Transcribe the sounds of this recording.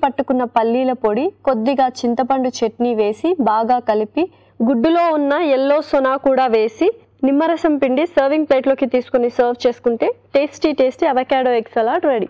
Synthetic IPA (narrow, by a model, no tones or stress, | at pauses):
pɐʈːukunːɐpɐlːiːlɐpoɽiko̞d̪ːiɡaːt͡ʃint̪ɐpɐɳɖut͡ʃeʈniʋe̞ːsibaːɡaːkɐlipi | ɡuɖːulo̞ːunːɐɛlːo̞ːsɔnaːkuːɽaːʋe̞ːsi | nimːɐɾɐsɐmpiɳɖisɐːɾʋiŋɡ̚pleːʈloːkit̪iːsu̥konisɐːɾʋt͡ʃe̞ːsu̥kuɳʈe̞ːʈeːsʈiʈeːsʈiɐʋɐkaːɽoːeksɐlaːɾʈɾɐɽi